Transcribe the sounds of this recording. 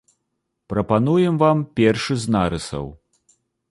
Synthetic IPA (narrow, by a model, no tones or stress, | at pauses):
pɾɐpanujɛmvampʲɛrʂɨznaɾɨsɐ̰w